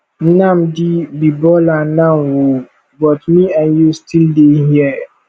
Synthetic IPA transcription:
nãmdibibɔlanãmwo | bɔtmĩãnjustʰildehiɛ

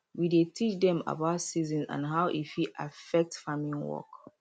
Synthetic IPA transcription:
widetʰit͡ʃdɛ̃ma̰baʊtsizɔ̃nzã̰nɦaʊʔḭfiʔa̰fɛk̚tfamĩnwɔ̰k

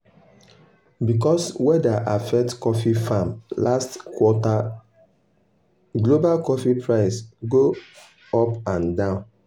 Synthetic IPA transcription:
bik̬ɔswɛdaʔafɛk̚tkɔfifamlastkwɔta | ɡlobalkɔfipʰɹaɪsɡo | ɔpãndãʊ̃n

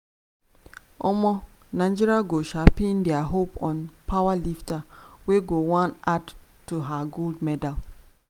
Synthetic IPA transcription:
ɔmɔ | naɪ̃nd͡ʒiɾiaɡoʃapĩndɛaɦopɔ̃npʰawaliftaweɡowãnadtuɦaɡoldmɛdal

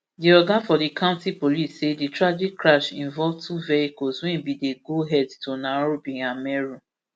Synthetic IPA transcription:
diɔɡãnfɔdikʰãʊ̃ntipolisːeditɹad͡ʒikːɹaʃĩɱvɔlvtʰuvɛikɔswɛ̃nbideɡoɦɛdtonaɹobĩamɛɹu

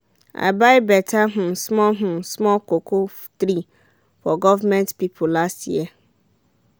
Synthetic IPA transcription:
a̰baɪbɛtʰaɦʊ̃smɔ̃ɦʊ̃smɔlkʰokʰoft̪ɾi | fɔɡɔvamɛ̃ntpipʰulasḭɛ

